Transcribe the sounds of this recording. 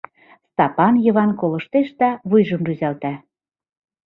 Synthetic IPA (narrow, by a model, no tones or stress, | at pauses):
st̪ɑpɑnjɤ̆βɑnkolɤ̆ʃt̪eʃd̪æβujʒɤ̆mryzælt̪æ